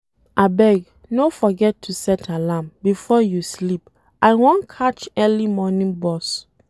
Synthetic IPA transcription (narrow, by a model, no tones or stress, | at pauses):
ʔabɛɡ | nofɔɡɛtʰːusɛtʰalambifɔjuslip | ʔaɪwɔ̃nkʰat͡ʃɛlimɔnĩnbɔs